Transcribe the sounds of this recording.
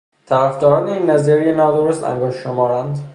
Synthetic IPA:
t̪ʰæɾæfd̪ɒːɾɒːneiːnːæziːɾijenɒːd̪oɾost̪æ̰ŋɡoːʃʃomɒːɾænd̪

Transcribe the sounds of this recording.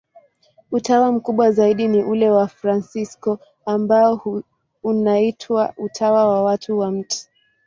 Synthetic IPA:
utawam̩kuɓwazaiɗiniʔulɛwafɾansiskɔ | ambaɔ | unaitʰwaʔutʰawawawatʰuwam̩ti̥

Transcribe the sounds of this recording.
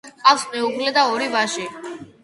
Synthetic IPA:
qʼafsmɛuɡlɛd̪aɔɾivaʃi

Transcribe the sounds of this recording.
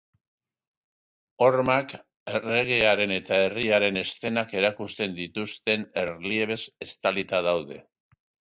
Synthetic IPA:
o̞ɾmak | ere̞ɣ̞e̞aɾe̞ne̞t̪ae̞riaɾe̞ne̞st̪e̞nake̞ɾakust̪e̞nd̪it̪ust̪e̞ne̞ɾlie̞βe̞se̞st̪alit̪aðawðe̞̰

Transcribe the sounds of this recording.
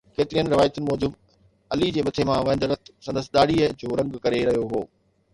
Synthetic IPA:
keːt̪ɪɾijənɪ̆ɾɪʋaːɪt̪ʊnɪ̆mɔːd͡ʑʊb | ɐlid͡ʑeːmɐt̪ʰemãʋɐ̃ɪ̃nd̪ɾɐt̪ʰsɐ̃nd̪əsɪɗ̪aːɽiəd͡ʑoːɾɐ̃ŋɡkɐɾeɾɐɦijoɦoː

